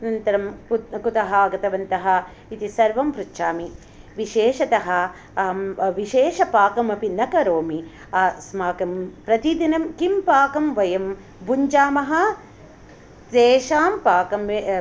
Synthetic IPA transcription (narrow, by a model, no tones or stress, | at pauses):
nɐnt̪ɐɾɐmkut̪ɐɦɐːɡɐt̪ɐʋɐnt̪ɐɦɐ | it̪isɐɾʋɐmpɾutːʃaːmi | ʋiʃeːʃɐt̪ɐɦɐ | ʋiʃeːʃɐpaːkɐmɐpinɐkɐɾoːmi | asmaːkɐmpɾɐt̪id̪inɐmkimpaːkɐmʋɐjɐm | buɲd͡ʒaːmɐɦɐ̆ | t̪eːʃaːmpaːkɐme